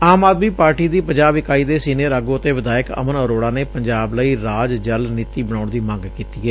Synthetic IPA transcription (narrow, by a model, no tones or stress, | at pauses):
aːmaːd̪miːpaːɾʈiːd̪iːpəɲd͡ʒaːbɪkaːiːd̪eːsiːneːɾaːɡõːət̪eːʋɪd̪aːɪkə̰mənəɾoːɽaːneːpəɲd͡ʒaːbləiːɾaːd͡ʒd͡ʒəlniːt̪iːbəɽ̃aːʊɳd̪iːmə̃ŋɡkiːt̪iːɡɛ